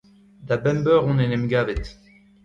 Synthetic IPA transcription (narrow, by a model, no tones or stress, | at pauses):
d̪abɛmbœʁɔ̃nɛnɛmɡavɛt̪